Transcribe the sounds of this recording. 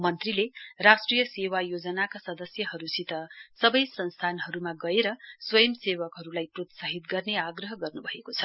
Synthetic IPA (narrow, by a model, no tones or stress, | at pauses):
mʌnt̪rilerasʈrijʌsewajod͡zʌnakasʌd̪ʌsjʌɦʌɾusit̪ʌsʌbʌjsʌnst̪ʰanɦʌɾumaɡʌeɾʌswʌjʌmsewʌkɦʌɾulajprot̪sʌɦit̪ɡʌrneaɡrʌɦʌɡʌrnubʱʌekot͡sʰʌ̥